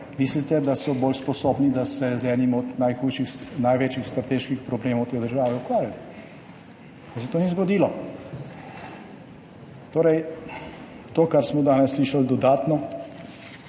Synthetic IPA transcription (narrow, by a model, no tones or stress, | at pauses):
mislit̪ɛd̪asɔboːlspɔsoːbnid̪asɛzɛːnimɔd̪najxuːjʃixnajʋeːt͡ʃjixst̪ɾat̪eːʃkixpɾɔbleːmɔwt̪eːd̪əɾʒaːʋɛukʋaːɾjat̪ɛ | as̬ɛt̪oːnizɡɔd̪iːlɔ | t̪oːɾɛj | t̪oːkaɾsmɔd̪aːnɛsːliʃald̪ɔd̪aːt̪nɔ